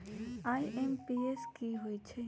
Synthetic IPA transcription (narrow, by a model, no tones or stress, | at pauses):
aːiʔempieskiɦoit͡ʃʰe